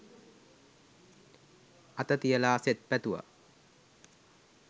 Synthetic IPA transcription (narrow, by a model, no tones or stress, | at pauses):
at̪ət̪ijəlaːset̪̚pæt̪uʋə̰